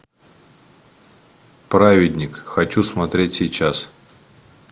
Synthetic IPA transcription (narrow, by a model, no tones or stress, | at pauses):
pɾavʲɪdʲnʲɪkxɐt͡ɕusmɐt̪ɾʲetʲsʲɪjt͡ɕas